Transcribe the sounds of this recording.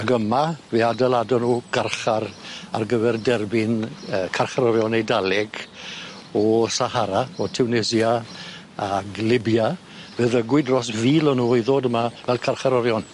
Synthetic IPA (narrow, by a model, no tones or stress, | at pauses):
aɡəmaveadalˠadɔnuːɡ̥arχara̰rɡəvɛrdɛrbɪnəːkʰarχaɾɔɾjɔnejdalɛɡ | ɔsahaɾaɔtʰɛwnɛzia | aɡlɪbja | vɛðəɡwɪdrɔs̬viːlɔnuːiðoːdəmavɛlˠkʰarχaɾɔɾjɔn